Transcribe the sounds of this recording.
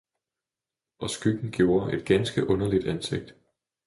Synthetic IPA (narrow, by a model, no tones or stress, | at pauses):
ʔɒ̽sɡ̥yɡ̥n̩ɡ̥jo̝ːɐʔe̝d̥̚ɡ̥ænsɡ̥əʔɔ̽nɐlid̥ænse̝ɡ̥̚d̥